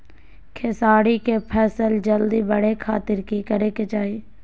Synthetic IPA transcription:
kʰɪsaːɽikepʰɛːsəld͡ʒəld̪ibəɽekʰaːt̪ɪɾkikəɾeːket͡ʃaːi

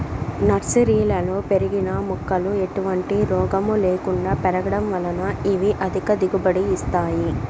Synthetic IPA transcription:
nɐɾsiɾiːlɐloːpeɾiɡinɐmukːɐlue̞ʈuʋɐɳʈiɾɔːɡɐmuleːkuɳɖaːpɛɾɐɡɐɽɐmʋɐlɐnɐiʋiʔɐd̪ʱikɐd̪iɡubɐɽiːst̪aːji

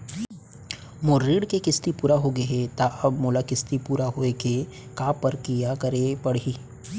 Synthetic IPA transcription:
moːɾːiːɽkekɪst̪ipuːɾaɦoɡɐɦet̪aʔɐbmoːlakɪst̪ipuːɾaɦoeke | kaːpːɐɾkijakɐɾepɐɽiː

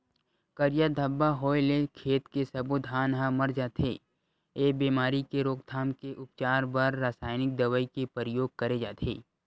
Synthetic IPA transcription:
kɐɾjad̪ʱəbːaɦoːelekʰeːt̪kesɐbud̪ʱaːnɦamɐɾd͡ʒaːt̪ʰeː | eːbiːmaːɾikeɾoːkt̪ʰaːmkeʔʊpt͡ʃaːɾbaɾːaːsaːɪnɪk̚d̪ɐʋəikepəɾəjoːɡ̚kɐɾed͡ʒaːt̪ʰḛː

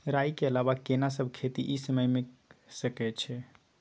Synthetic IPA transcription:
ɾajkeəlaβakenasəbʱkʰet̪iʔisəməjmesəkɛt͡ʃʰɛ

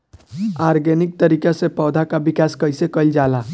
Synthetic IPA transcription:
aːɾɡenɪk̚t̪əɾiːkesepɔːd̪ʱakabɪkaːskəɪsekəɪld͡ʒaːlaː

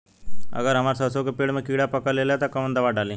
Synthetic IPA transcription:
ə̰ɡəɾɦəmaɾsəwsokəpeɽməkiɽapəkəɾleljat̪əkəmənd̪əʋaɖali

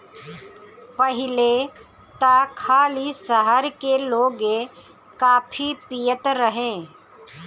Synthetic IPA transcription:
pəɦɪle | t̪akʰaːlisəɦəɾkeloːɡe | kaːpʰipijət̪ɾəɦẽː

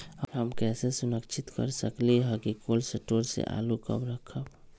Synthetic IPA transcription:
ɔɾɦəmkɛːsesʊnəkt͡ʃʰɪt̪kə̰ɾsəkleɦɛkikoːlseʈoːɾsḛʔa̰ːlukə̰bɾəkʰəb

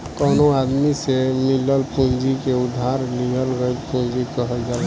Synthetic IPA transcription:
kɔnoad̪misemiləlpũnd͡ʒikeud̪ʱːaɾlijəlɡəjlpũnd͡ʒikəɦəld͡ʒal

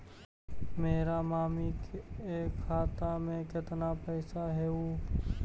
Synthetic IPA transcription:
meːɾamaːmikeːkʰːaːt̪amẽkɪt̪napɛːsaɦɛoː

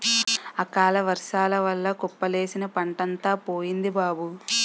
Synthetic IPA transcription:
ɐkaːlɐʋɐɾʂaːlɐʋɐlːɐkɔpːɐle̞ːsinɐpɐɳʈɐnt̪aːpoːjind̪ibaːbu

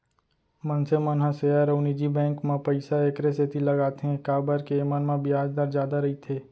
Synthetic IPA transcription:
mə̃nsemənɦãsejaɾəʊnid͡ʒibɛ̃ːŋkmãpəɪsaeːkɾeset̪ilɐɡaːt̪eɦɛ̃kaːbəɾkemanmãbɪaːd͡ʒd̪aɾd͡ʒjaːd̪aɾɐɦit̪ʰeː

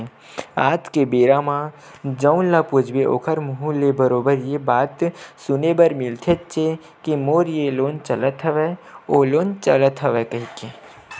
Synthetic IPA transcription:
a̰ːt̪kebeːɾamã | d͡ʒəʊnlapud͡ʒʱbeʔo̰ːkʰəɾmʊɦũlebəɾoːbəɾjebaːt̪sʊnebɐɾmɪlt̪ʰet͡ʃe | kimoːɾjeloːnt͡ʃɐlət̪ɦəʋeoːloːnt͡ʃɐlət̪ɦəʋekɐɦike

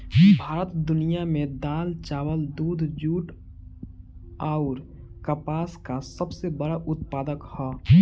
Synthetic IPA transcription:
bʱaːɾət̪d̪ʊnijamẽd̪aːlt͡ʃaːwəld̪uːd̪ʱd͡ʒuːʈ | aːʊɾ | kəpaːskasəbsebəɽaʔʊt̪̚paːd̪əkhɔː

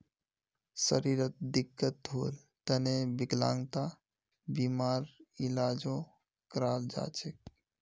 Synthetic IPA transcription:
səɾiːɾət̪̚d̪ɪkːət̪ɦoːl | t̪ənebɪɡlã̰ːŋɡt̪a | biːmaːɾilaːd͡ʒõ | kɾaːld͡ʒa̰ːt͡ʃek̚

